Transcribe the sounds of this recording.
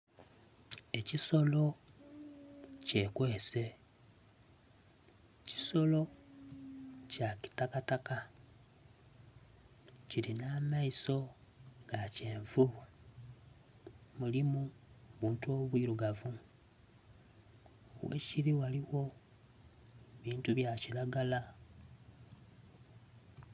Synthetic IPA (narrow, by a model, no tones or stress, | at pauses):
e̞ciso̞lo̞ | ce̞kwe̞ːse̞ | ci̥so̞lo̞ | caki̥takataka | ciɾinamaiso̞ŋɡaceːɱvua | mulimuβuːntuo̞βwiɾuɡavu | wḛciɾiwaliwo̞ | βiːntuβjacilaɡala